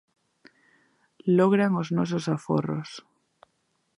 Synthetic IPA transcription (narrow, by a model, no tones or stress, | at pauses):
loɣɾaŋoznos̬osafo̰ro̰s